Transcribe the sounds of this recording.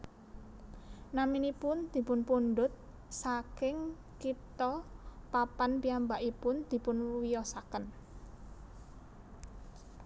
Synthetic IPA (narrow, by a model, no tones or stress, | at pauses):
naminipʊnd̪̥i̤pʊnpunɖʊt̪̚ | sakɪŋ | kip̚t̪ɔpapanpiambaʔipʊnd̪̥i̤pʊnwijɔsakən